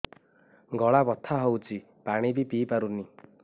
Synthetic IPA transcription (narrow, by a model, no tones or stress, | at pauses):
ɡɔɭabɔt̪ʰːaɦɔwt͡ʃi | paɽ̃ibipiːpaɾuni